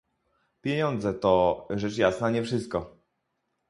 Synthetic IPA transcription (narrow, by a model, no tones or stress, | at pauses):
pʲjeɲɔnd̪zɛt̪ɔʐɛt͡ʂjasnaɲɛfʂɘst̪̚kɔ